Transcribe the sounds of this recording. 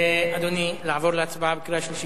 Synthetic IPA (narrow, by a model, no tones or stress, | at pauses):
eɐd̪onilaʋɔɾlat͡sbabkiɾaʃuʃi